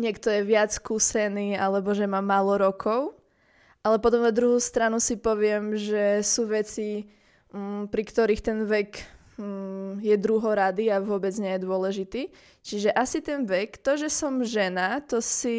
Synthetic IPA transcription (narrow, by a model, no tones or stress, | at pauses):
ɲɪɛkt̪ɔjɛʋɪat͡sskuːsɛniːalɛbɔʒɛmaːmaːlɔɾɔkʰɔʊ | ʔalɛpɔt̪̬ɔmnad̪ɾuɦust̪ɾanusipɔʋɪɛmʒɛsuːʋɛt͡si | pɾikt̪ɔɾixt̪ɛnʋɛk | jɛd̪ɾuɦɔɾad̪iaʋʊɔbɛd͡zɲɛjɛd̪ʊɔlɛʒit̪iː | t͡ʃiʒɛʔasit̪ɛnʋɛkt̪ɔʒɛsɔmʒɛnat̪ɔsi